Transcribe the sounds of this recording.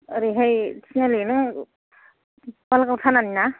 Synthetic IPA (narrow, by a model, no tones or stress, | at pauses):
ɾiɦajtʰinalenɯ | balakawtʰananina